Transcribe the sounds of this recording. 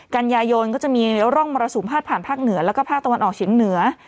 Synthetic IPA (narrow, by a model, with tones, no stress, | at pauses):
ka˧njaː˧jo˧nkɔː˥˩t͡ɕa˨˩ʔmiː˧˥ɾɔ˥˩ŋmɔː˧ɾa˧suː˨˩˦mpʰaː˥˩t̪̚pʰaː˨˩npʰaː˥˩k̚nɯ˩˦ɐlɛː˦˥wkɔː˥˩pʰaː˥˩k̚t̪a˧wa˧nʔɔː˨˩k̚t͡ɕʰi˨˩˦ŋnɯ˨˩˦ɐ